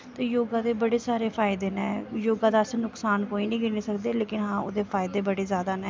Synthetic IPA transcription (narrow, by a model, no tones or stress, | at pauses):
t̪eːjoːɡãːd̪eːbəɽeːsaːɾeːpʰaːɪd̪eːnɛ̰̃ːjoːɡãːd̪aːsnʊksaːnkoːiːnĩːkɪniːsəkd̪eːleːkɪnɦãːo̰d̪eːfʰaːɪd̪eːbəɽeːzjaːd̪aːnɛ̃ː